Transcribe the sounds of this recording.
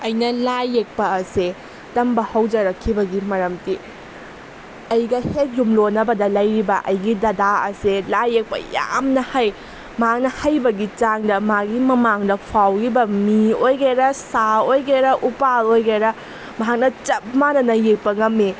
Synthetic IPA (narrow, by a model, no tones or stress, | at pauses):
ɐjnɐlajːek̚pɐːse | tɐmbɐhɐwd͡ʒɐɾɐkʰːibɐɡimɐɾɐmti | ɐjɡɐhek̚jumlonːɐbɐdɐlɐjɾibɐʔɐ̰jɡidɐdaɐ̰selajːek̚pɐ̰ja̰mnɐhaj | mɐɦak̚nɐhɐjbɐɡit͡ʃaŋdɐmaɡimɐmaŋdɐpʰawɾibɐmiojɡeɾɐsaojɡeɾɐʔupalojɡeɾɐ | mɐɦak̚nɐt͡ʃɐp̚manɐnɐjek̚pɐŋɐmːi